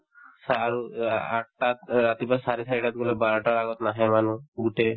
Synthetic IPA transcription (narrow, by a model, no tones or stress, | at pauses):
saɹua̰ʈat̪ːat̪ibasaɹisaɹiʈat̪ɡɔlɛbaɹɔʈaɹaɡɔt̪naɦɛmanuɡutɛ